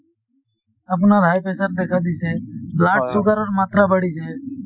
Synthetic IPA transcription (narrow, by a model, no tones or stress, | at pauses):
əp̬naːɾʱaːjpeːsəɾd̪eːkʰaːd̪iːseːblaːʈsʊɡəɾəɾmaːt̪ɾaːbəɽiːseː